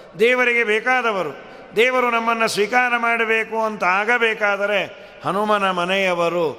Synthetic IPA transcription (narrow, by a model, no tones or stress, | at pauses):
d̪ɛːʋɐɾiɡe̞bɛːkaːd̪ɐʋɐɾu | d̪ɛːʋɐɾunɐmːɐnːusʋiːkaːɾɐmaːɽɐbeːkuɐnt̪ɐaːɡɐbɛːkaːd̪ɐɾe̞ | hɐnumɐnɐmɐnɛjɐʋɐɾu